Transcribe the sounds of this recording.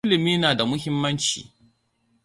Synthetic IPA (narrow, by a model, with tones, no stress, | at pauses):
ɪ˦lɪ˨miː˦naː˨da˨mʊ˦hɪ˦mːɐ˦nt͡ʃḭː˨